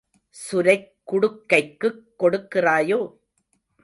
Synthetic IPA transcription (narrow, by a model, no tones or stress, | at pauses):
sʊɾɐɪkːʊɽɯkːɐɪkːɯkːɔɽɯkːɪraːjoː